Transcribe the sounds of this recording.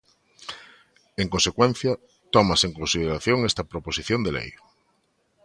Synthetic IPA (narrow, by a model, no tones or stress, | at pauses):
eŋkonsekwẽn̟θjɐ | t̪ɔmaseŋkonsið̞eɾaθjoŋest̪ɐpɾoposiθjõnd̪elḛj